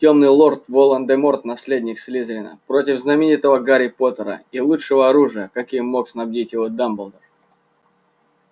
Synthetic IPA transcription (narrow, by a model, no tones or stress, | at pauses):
tʲo̞mnɨjlˠo̞rt̪volˠənd̪ɛmo̞rt̪nɐsʲlʲedʲnʲɪksʲlʲizɾʲɪnə̰pɾotʲɪvznɐmʲɪnʲit̪əvəɡaɾʲɪpo̞t̪əɾə̰ilˠuʂɨvəɐɾuʐɨjəkɐkʲijmo̞ksnɐbdʲitʲjɪvo̞d̪ambəlˠd̪ər